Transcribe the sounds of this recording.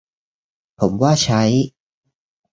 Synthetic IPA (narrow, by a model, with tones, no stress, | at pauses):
pʰo˩˦mwaː˥˩t͡ɕʰa˦˥j